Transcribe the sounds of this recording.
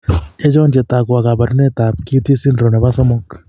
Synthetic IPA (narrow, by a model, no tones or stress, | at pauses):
ed͡ʒoːnd͡ʒet̪aːkuaɡabɐɾnet̪aːp̚kit̪ʰisinɾonɐbasɐmok